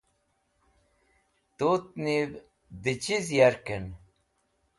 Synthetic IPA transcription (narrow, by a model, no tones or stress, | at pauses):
t̪ot̪̚nib | d̪it͡ɕizjaɾken